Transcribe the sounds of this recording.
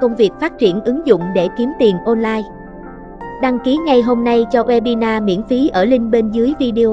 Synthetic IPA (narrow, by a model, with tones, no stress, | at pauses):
kə˧wŋ͡mvi˨˩ək̚faː˦˥t̚t͡ɕi˧˩ənʔɨ˨˦ŋzʊ̰˧˨ŋ͡mɗe˧˩ki˨˦əmt̪i˨˩ənʔɔ˧nlaː˧j | ɗa˧ŋki˨˦ŋa˨˧jɦo˧mna˧jt͡ɕɔ˧ʔwɛ˧ɓi˧naː˧mḭ˧˥ənfi˨˦ʔəː˧˩lï˧ŋ̟ɓe˧nzɨ˨˦əjvi˧ɗi˧o˧